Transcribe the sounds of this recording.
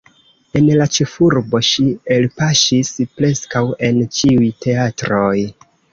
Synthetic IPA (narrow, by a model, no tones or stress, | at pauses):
e̞nlat͡ʃefuɾbo̞ʃielpaʃispɾe̞skawe̞nt͡ʃiujte̞atɾo̞j